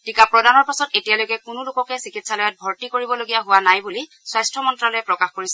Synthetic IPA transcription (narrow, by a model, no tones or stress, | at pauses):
tikapɹɔdanɔɹpasɔtetijalojkɛkʊnulʊkɔkɛsikitsalɔjat̚bʱɔɹtikoɹibɔloɡijaɦʊwanajbuli | swajstʰɹɔmɔntɹalojɛpɹɔkaxkoɹisɛ